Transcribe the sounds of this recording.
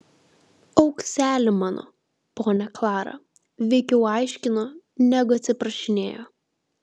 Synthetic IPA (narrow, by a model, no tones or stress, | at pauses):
ɒʊksʲæːlʲɪmɑːno̰ː | poːnʲɛklˠɑːɾɐ̰ | ʋʲɛɪkʲɛʊɑˑɪʃʲkʲɪnoː | nʲæːɡʊɐt̪ʲsʲɪpɾɐʃʲɪnʲḛːjoː